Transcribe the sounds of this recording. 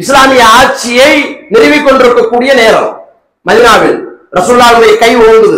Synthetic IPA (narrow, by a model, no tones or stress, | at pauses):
ɪslaːmɪjɐaːɾt͡ʃːɪjɐɪnɪɾɪʋɪkːɔɳɖɪɾɯkːɐkːuːɽɪjɐneːɾɐ̰m | mɐðɪnaːʋɪɭɾʔɐsuːlːaːʋɪɭɐjɐkɐɪʋoːnd̪ɐðɯ